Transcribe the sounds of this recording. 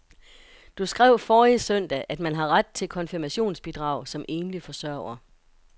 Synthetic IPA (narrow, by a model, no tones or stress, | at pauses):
d̥usɡ̥ʁɛʊ̰fɒːisœn̰d̥æʔæd̥mænɦɑ̈ʁad̥̚t͡sʰe̝lkʰɒ̽nfiɐmæɕo̝̰ːnsb̥id̥ʁɑ̈ʊ̰sɒ̽mʔe̝ːnlifɒ̽sɶɐ̰ʊɐ